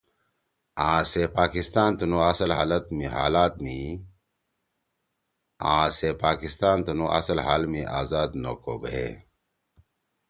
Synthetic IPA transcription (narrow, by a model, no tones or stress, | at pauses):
ãːsepaːkist̪aːnt̪unuɐsɐlɦa̰ːlɐt̪miɦaːlaːt̪̚mi | ãːsepaːkist̪aːnt̪unuʔɐ̰sɐlɦa̰ːlmiʔaːzaːd̪no̰ko̰ːbḛ